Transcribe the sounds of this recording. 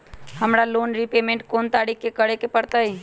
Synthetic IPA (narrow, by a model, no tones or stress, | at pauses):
həmɾaloːnɾipemẽɳʈkoːnt̪aːɽikkːekəɽekepəɽt̪aɦi